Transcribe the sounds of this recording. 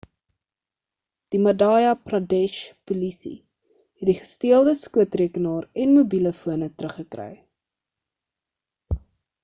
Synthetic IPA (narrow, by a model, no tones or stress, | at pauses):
d̥imɐdɑːjɐprɑdɛʃpulisḭ | hɛtdiχə̥stiəlˠdəskuətriəkənɑːrɛnmubiləfuənətɾəχːəkrœ̰j